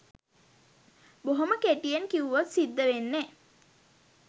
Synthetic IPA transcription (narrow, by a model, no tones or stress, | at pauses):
boɦoməkeʈijenkiʋuʋot̪sid̪ːəʋenːe